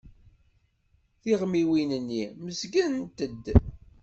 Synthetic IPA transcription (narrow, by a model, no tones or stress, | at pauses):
θiʁmiwinənːiməzɡənnt̪əd̪